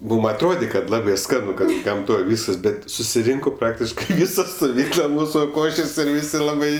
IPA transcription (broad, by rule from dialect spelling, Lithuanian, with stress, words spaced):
ˈmuːm ɐtˈroːdʲeː kɐt ˈlˠɑːbʲeː ˈskɑːnʊ ˈkɐt ɡɐmˈtoːj ˈʋʲiːskɐs ˈbʲɛt sʊsʲɪˈrʲɪŋkoː ˈprɑːktʲɪʃkɐɪ ˈʋʲiːsɐ stʊˈʋʲiːklˠɐ ˈmuːsʊ ˈkoːʃʲeːsʲ ɪr ˈʋʲɪsʲɪ ˈlˠɑːbɐɪ